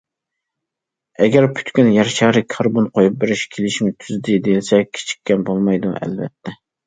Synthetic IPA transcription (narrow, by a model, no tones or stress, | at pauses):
ɛɡʲɛɾpʰy̥t̪kʲynjæɾʃæɾɪkʰɑɾbonqʰojup̚beɾɪʃkʲʰelɪʃmɪt̪ʰyzd̪ɪd̪ejlsɛk̚ʲkʲʰe̥t͡ʃʰi̥kʲːɛnbolˠmɑjd̪ṵɛ̰lvɛ̰t̪ʰːɛ